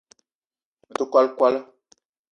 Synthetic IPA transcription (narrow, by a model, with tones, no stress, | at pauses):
də˨ka˦˨lkwa˦lə˦